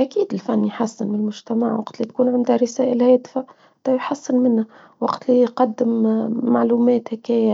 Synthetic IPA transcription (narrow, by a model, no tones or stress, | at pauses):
ʔækiːd̪ɪlfænːijħasːɪnmɪnlmʊʒt̪æmaʕwɑqt̪lit̪̚kuːnʕand̪hæɾɪsæːʔɪlhæːd̪fa | t̪ɑjħasːɪnmɪnhæ | wɑqt̪lijqɑd̪ːɪmːaʕluːmɛːt̪hækæːja